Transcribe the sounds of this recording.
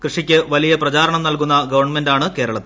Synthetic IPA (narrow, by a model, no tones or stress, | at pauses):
krɨʂikʲːɨʋɐlijɐprɐt͡ɕaːɾɐɳɐmnɐlkunːɐɡɐʋɐrɳme̞ndaːɳɨke̞ːɾɐɭɐt̪ːɨ